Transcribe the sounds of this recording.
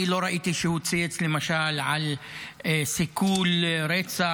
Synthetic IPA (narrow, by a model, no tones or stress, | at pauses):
iloɾaʔiːt̪iʃehut͡sijet͡slemaʃaːlʕal | sikuːlɾet͡sa